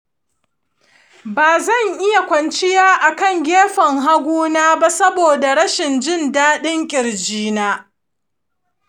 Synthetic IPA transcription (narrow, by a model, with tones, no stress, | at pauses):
baː˨zɐ˦˨ŋʔɪ˦ja˨kʷɐ˨nt͡ʃɪ˦jaː˦ʔa˨kɐ˦˨ŋɡʲeː˦ɸɐ˨ŋɦa˦ɡʷuː˦naː˦ba˦sɐ˦boː˨da˨ɽɐ˦ʃɪ˨nd͡ʒɪ˦ndaː˦ɗɪ˦ŋkʲʼɪ˨ɾd͡ʒiː˦naː˦